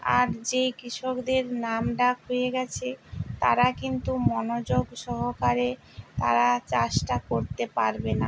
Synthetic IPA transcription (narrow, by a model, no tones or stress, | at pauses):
a̰ɾd͡ʑejkɾiʃokd̪eɾnamɖakɦojeɡɛt͡ɕʰet̪a̰ɾakint̪umɔnod͡ʑoɡʃɔɦokaɾe | t̪a̰ɾat͡ɕaʃʈakoɾt̪epaɾbena